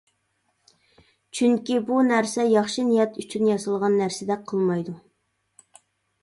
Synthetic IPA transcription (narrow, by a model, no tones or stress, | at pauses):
t͡ʃʰyŋkʲibunæɾsɛjɑχʃinijɛt̪ʰyt͡ʃʰynjɑsɨlˠʁɑnːæɾsɪd̪ɛk̚ʲqʰːəlˠmɑjd̪u